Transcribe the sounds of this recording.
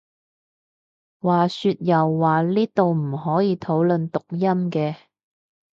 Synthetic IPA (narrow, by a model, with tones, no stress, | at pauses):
waː˨syː˧t̚jɐ˨˩wːaː˨liː˥t̪o˨wm̩˨˩ɦɔː˨˥jiː˨˧t̪ʰo˨˥wlɵ˨nt̪ʊ˨k̚jɐ˥mkɛː˧